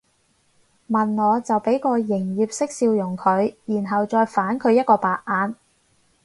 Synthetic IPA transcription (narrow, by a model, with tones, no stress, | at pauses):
mɐ˨nŋɔː˨˧t͡sɐ˨wpe˨˥jkɔː˧jɪ˨˩ŋjiː˨p̚sɪ˥k̚siː˧wjʊ˨˩ŋkʰɵ˨˧ɥjiː˨˩nɦɐ˨wt͡sɔː˧jfaː˨˥nkʰɵ˨˧ɥjɐ˥t̚kɔː˧paː˨k̚ʔaː˨˧n